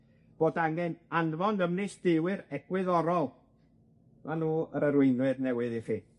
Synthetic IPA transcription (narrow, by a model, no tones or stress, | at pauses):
b̥oːdaŋɛnanvɔndəmnɪsd̥ɪwɨɾɛɡ̥wɪðɔɾɔlˠ | manuːəɾəɾwɪjnwɨdnɛwɨðiχiː